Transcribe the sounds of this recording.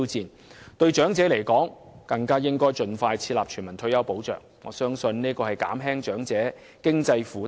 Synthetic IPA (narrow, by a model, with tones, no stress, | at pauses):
wt͡siː˨˧n | t̪ɵ˧ɥt͡ʃœː˨˥ŋt͡sɛː˨˥le˨˩jkɔː˨˥ŋ | kɐ˧ŋkaː˥jɪ˥ŋkɔː˥jt͡ʃɵ˧nfaː˧jt͡sʰiː˧t̚laː˨p̚t͡ʃʰyː˨˩nmɐ˨˩nt̪ʰɵ˧ɥjɐ˨˧wpo˨˥wt͡ʃœ̰ː˨ŋŋɔ̰ː˨˧sœː˥ŋsɵ˧nniː˥kɔː˧hɐ˨jka̰ː˨˥mɦɛː˥ŋt͡ʃœː˨˥ŋt͡sɛː˨˥ | kɪ˥ŋt͡sɐ˧jfuː˨˥